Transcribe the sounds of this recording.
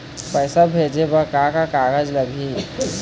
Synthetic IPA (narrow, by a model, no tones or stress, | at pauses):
pɛːɪsabʱeːd͡ʒebəkakakaːɡəd͡ʒləɡʱi